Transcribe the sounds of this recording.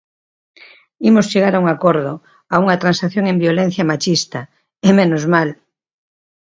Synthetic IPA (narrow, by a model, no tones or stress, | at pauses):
imost͡ʃeɣ̞aɾauŋakoɾðo | auŋat̪ɾansaθjoŋẽmbjolẽn̟θjamat͡ʃist̪a | emẽnozmal